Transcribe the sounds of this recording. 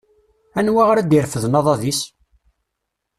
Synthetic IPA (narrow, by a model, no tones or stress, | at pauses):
ænwaʁɾæd̪iɾfəðnɑðˤɑðis